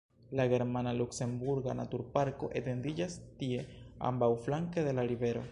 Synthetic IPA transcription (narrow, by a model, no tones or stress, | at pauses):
laɡe̞ɾmanalukse̞mbuɾɡana̰tuɾpaɾko̞ʔete̞ndid͡ʒastie̞a̰mbawflaŋkede̞laɾive̞ɾo̞